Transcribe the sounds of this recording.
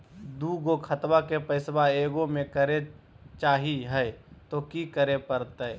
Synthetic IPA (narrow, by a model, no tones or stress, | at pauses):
d̪uːɡokʰət̪bakepəɪsbaeːɡomẽkəɾe | t͡ʃaːɦiɦɛt̪okikəɾepəɾt̪e